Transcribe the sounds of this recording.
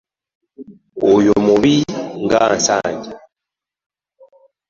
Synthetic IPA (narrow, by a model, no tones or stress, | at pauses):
ojumuβiŋɡansa̰ːɲɟa